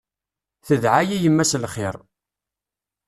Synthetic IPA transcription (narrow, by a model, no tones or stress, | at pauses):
θəðʕajijəmːæslχɪɾˤ